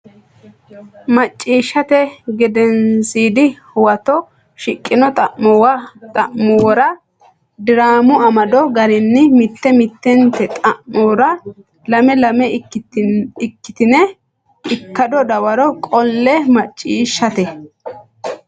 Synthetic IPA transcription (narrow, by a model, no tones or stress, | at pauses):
mɐt͡ʃʼːiːʃːɐt̪ɛɡɛd̪ɛnsiːd̪ɪhʊwɐt̪ɔ | ʃɪkʼːɪnɔt̪ʼɐʔmɔwɐt̪ʼɐʔmʊwɔɾɐ | d̪ɪɾaːmʊɐmɐd̪ɔɡɐɾɪnːɪmɪt̪ːɛmɪt̪ːɛnt̪ːɛt̪ʼɐʔɔɾɐ | lɐmɛlɐmɛ | ɪkːɪ̥t̪ɪnɛ | ɪkːɐd̪ɔd̪ɐwɐɾɔkʼɔlːɛmɐt͡ʃʼːiːʃːɐt̪ɛ